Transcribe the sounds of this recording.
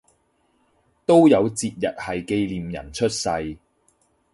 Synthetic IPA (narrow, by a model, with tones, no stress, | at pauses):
t̪o˥wjɐ˨˧wt͡siː˧t̚jɐ̰˨t̚hɐ˨jke˧jliː˨mjɐ̰˨˩nt͡ʃʰɵ˥t̚sɐ˧j